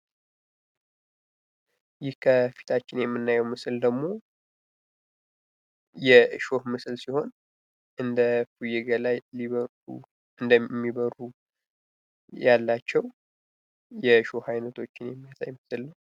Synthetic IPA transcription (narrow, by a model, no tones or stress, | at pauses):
jɪhkʰəfi̥t̪ʰat͡ʃːɪnjɛmːɨnːajɛwmɨsɨld̪əɡmo̞ | jɛʃo̞hmɨsɨlsiho̞n | ʔɨnd̪əfujɛɡəlajliβə | u | ɨnd̪əmːiβəɾu | jalːat͡ʃːɛw | jɛʃo̞hajnət̪ʰo̞t͡ʃːɪnjɛmːijasa̰jmɨsɨlnəw